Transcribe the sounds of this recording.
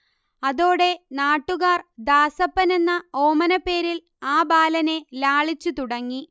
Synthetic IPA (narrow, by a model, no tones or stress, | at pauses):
ɐðo̞ːɽe̞naːʈːuɣaːrd̪aːsɐpːɐne̞nːɐo̞ːmɐnɐpːe̞ːɾil | aːbaːlɐne̞laːɭit͡ɕːut̪uɽɐŋːi